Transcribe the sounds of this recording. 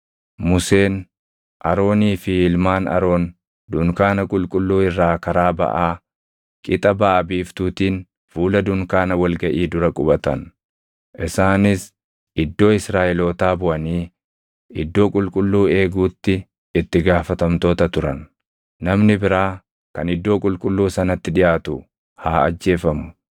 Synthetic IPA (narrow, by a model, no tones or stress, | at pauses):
mʊse̞ːn | ʔɐɾo̞ːniːfɪɪlmaːnɐ̰ɾo̞ːn | d̪ʊŋkaːnɐkʼʊlkʼʊlːuːɪrːaːkɐɾaːbɐ̰ʔaː | kʼɪt̪ʼɐbaːɐbiːft̪uːt̪iːn | fuːlɐd̪ʊŋkaːnɐwɐlɡɐʔiːd̪ʊɾɐkʼʊbɐt̪ɐ̰n | ʔɪsaːnɪs | ɪd̪ːo̞ːɪsɾaːʔɪloːt̪aːbʊʔɐniː | ɪd̪ːo̞ːkʼʊlkʼʊlːuːe̞ːɡuːt̪ːɪ | ɪt̪ːɪɡaːfɐt̪ɐmt̪o̞ːt̪ɐt̪ʊɾɐnː | ɐmnɪbɪɾaː | kɐnɪd̪ːo̞ːkʼʊlkʼʊlːuːsɐnɐt̪ːɪᶑɪʔaːt̪ʊ | haːɐ̰d͡ʒːe̞ːfɐmʊ